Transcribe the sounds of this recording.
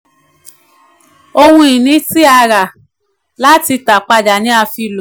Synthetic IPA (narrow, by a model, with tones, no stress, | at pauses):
o˧wũ˧i˨nĩ˨˦ti˦a˧ɾa˨ | la˦ti˧ta˨k͡pa˧d͡ʒa˨nĩ˨˦a˧fi˧lo˨